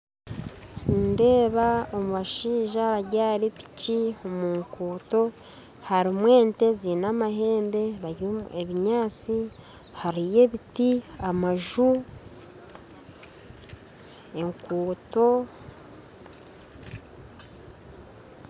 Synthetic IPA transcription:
nde̞ːβaomuβaʃiːʒaβaɟaːɾepi̥ciomuŋkuːto̞ | haɾimwe̞ːnte̞zinamaɦe̞ːmbe̞βaɟueβiɲaːt͡si | haɾije̞βitiamaʒu | e̞ŋkuːto̞

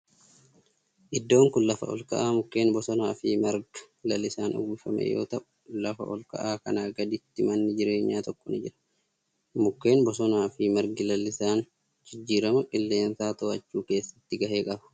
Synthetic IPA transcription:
ʔɪd̪ːo̞ːŋkʊnlɐfɐ̰ɔ̰lkɐ̰ʔaːmʊkːe̞ːnbɔsɔnaːfɪːmɐɾɡɐ̥ | lɐlːɪsaːnɔ̰ɡʊfɐmḛjo̰ːt̪ɐʔʊ | lɐfɐ̰ʔɔ̰lkɐ̰ʔaːkɐnaːɡɐd̪ɪt̪ːɪmɐnːɪd͡ʒɪɾe̞ːɲːaːt̪ɔkːɔnɪd͡ʒɪɾɐ̥ | mʊkːe̞ːnbɔsɔnaːfɪmɐɾɡɪlɐlːɪsaːn | d͡ʒɪd͡ʒːiːɾɐmɐkʼɪlːe̞ːnsaːt̪ɔʔɐt͡ʃːuːke̞ːsːɐ̥t̪ːɪɡɐhe̞ːkʼɐbɐ̥

